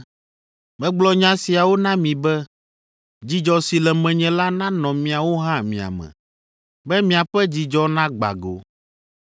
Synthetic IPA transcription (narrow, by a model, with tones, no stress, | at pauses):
mɛ̃˦ɡ͡blɔ˦ɲã˦si˨a˨wo˦nã˦mĩ˨bɛ˦ | d͡ʑi˦d͡ʒɔ˨si˨lɛ˨mɛ̃˨ɲɛ̃˦la˦nã˦nɔ̃˨mĩ˨a˨wo˦ɦã˦mḭ̃˨a̰˨mɛ̰̃˨ | bɛ˦mĩ˨a˨ɸɛ˦d͡ʑi˨d͡ʒɔ˦nã˦ɡ͡ba̰˨ɡo̰˨